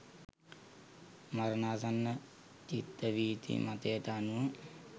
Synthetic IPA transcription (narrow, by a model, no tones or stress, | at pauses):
maɾənaːsanːə | t͡ʃit̪ːəʋiːt̪ḭmat̪ejət̪əːnuʋə